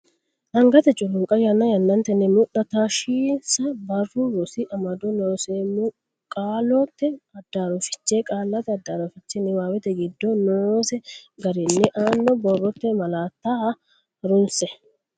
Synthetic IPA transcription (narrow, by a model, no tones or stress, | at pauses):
ʔɐŋɡɐt̪ɛt͡ʃʼʊlʊŋkʼɐjɐnːɐjɐnːɐnt̪ɛnːɪmʊɗːɐt̪aːʃiːsɐbɐrːʊɾɔsɪʔɐmɐd̪ɔnoːseːmu | kʼaːlɔt̪ːɛɐd̪ːaːɾɔfɪ̥t͡ʃːeːkʼaːlːɐt̪ɛɐd̪ːaːɾɔfɪt͡ʃːɛnːɪwaːwɛt̪ɛɡɪd̪ːɔnoːsɛɡɐɾɛnːɪʔaːnːɔbɔrːɔt̪ːɛmɐlaːt̪ːaː | ɾʊnsɛ